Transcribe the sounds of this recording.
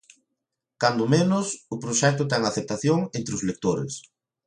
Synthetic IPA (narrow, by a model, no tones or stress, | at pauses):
kand̪ʊmenʊsʊpɾoʃɛk̚t̪ʊt̪ɛŋaθep̚t̪aθjoŋent̪ɾɪʊzlek̚t̪oɾɪ̰s